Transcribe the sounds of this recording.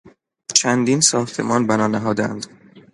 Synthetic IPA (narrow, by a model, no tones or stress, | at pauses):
t͡ʃʰænd̪iːnsɒːxt̪ʰe̞̰mɒːnbænɒːnæɦɒːd̪æ̰nd̪̥